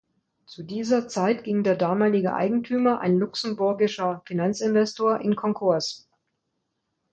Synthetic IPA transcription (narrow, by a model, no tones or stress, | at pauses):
t͡sudiːzɐt͡saɪtɡ̥ɪŋdeːɐdaːmaːlɪɡəʔa̰ɪɡŋ̩tʰyːmɐʔa̰ɪnlʊksən̩bʊɐɡɪʃɐfinant͡sɪnvɛstʰoːɐʔɪnkʰɔŋkʰʊɐs